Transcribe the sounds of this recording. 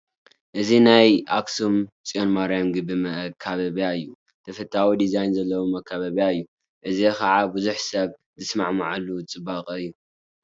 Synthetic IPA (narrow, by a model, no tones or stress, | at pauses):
ʔɨzinajʔaksumt͡sʼionmaɾijamɡɨbɨmɐʔkʰːaβɐβijaɨjːu | t̪ʰɐfɐt̪ʰʼːawid̪izajnzɐlːɐwomɐkʰːaβɐβjaɨjːu | ʔɨzekʰɐʕabuzuħsɐβzɨsma̰ʕma̰ʕalːut͡sʼɨbːaqʼɨjːu